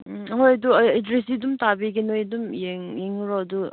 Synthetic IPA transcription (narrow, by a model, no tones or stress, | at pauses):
ɦojɐduedɾesidumtabiɡenojdumjeŋjeŋuɾɔdu